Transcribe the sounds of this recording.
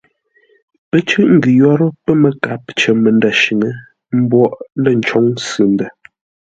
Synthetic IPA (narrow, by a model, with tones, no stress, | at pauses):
pə˦t͡ʃʉ˦ʔŋ̩˨ɡʉ˨jɔ˦ɾə˦pə˦mə˨ka˨˦p̚t͡ʃə˨mə˨nda˨ʃi˨ŋə˦ | m̩˦bwɔ˦˨ʔlə˦˨n̩˨t͡ʃɔ˨˦ŋsʉ˨ndə˨